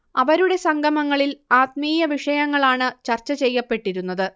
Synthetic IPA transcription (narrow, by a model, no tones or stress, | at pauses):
ɐʋɐɾuɽe̞sɐŋɡʱɐmɐŋːɐɭilaːt̪̚miːjɐʋiʂɐjɐŋːɐɭaːɳɨt͡ɕɐrt͡ɕːɐt͡ɕe̞jːɐpːe̞ʈːiɾunːɐðɨ